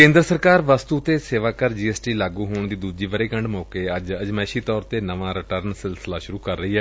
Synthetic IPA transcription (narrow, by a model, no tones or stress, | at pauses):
kẽːnd̪ɾəsəɾkaːɾʋəst̪uːt̪eːseːʋaːkəɾd͡ʒiːɛːsʈiːlaːɡuːɦoːɳd̪iːd̪uːd͡ʒiːʋəɾeːkəɳɖmɔːkeːəd͡ʒəd͡ʒmɛːʃiːt̪ɔːɾt̪eːnəʋãːɾɪʈəɾnsɪlsəlaːʃʊɾuːkəɾːəɦiːɦɛː